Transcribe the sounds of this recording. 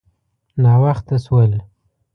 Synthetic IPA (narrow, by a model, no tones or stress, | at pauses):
nɑwaxt̪aswəl